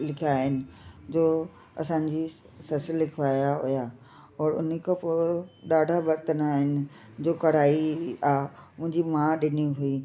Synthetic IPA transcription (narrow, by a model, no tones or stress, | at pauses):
lɪkʰjaːɦɪnɪ̆d͡ʑoː | ɐ̰sãɲ̆d͡ʑi | sɐsəlːɪkʰʋaːjaɦuja | ɔːɾʊ̰nkʰapoɗaːɖʱaʋɐɾt̪ənaːɦɪnɪ̆ | d͡ʑoːkɐɽ̤aːiaːemʊ̃ɦɪ̃ɲd͡ʑimãɗɪniɦui